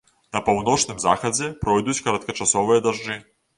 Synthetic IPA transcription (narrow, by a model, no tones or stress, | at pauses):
nɐpawn̪ɔt͡ʂnɨmzaxɐd͡zʲɛpɾɔjd̪ut͡sʲkɐɾɐt̪̚kɐt͡ʂasɔvɨjɐd̪aʐd͡ʐɨ